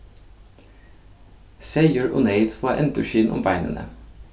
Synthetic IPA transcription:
seɪəɹʔo̰ːneɪt̪fɑːʔɛ̰nt̪əʃiːnʔʊ̰mbæɪnə̰nʔə̰

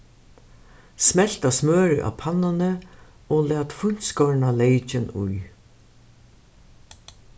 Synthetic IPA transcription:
smɛl̥t̪asmøːɾɪʔa̰pʰanːanɪ | ɔːlɛːt̪fʊɲ̥t̪skɔɹnalejt͡ʃɪnṵj

